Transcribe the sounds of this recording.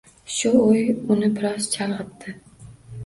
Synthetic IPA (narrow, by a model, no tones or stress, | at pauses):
ʃʊojʊnɪbɪɾɒz̥t͡ʃʰɑlˠʁɨtt̪ʰːɪ